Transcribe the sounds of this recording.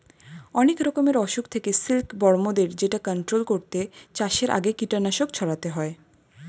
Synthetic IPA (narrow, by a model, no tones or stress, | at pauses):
ɔnekɾɔkomeɾɔʃukt̪ʰekesilkbɔɾmod̪eɾd͡ʑeʈakɔɳʈɾolkoɾt̪et͡ɕaʃeɾʔa̰ɡekiʈanaʃokt͡ɕʰɔɽat̪eɦɔe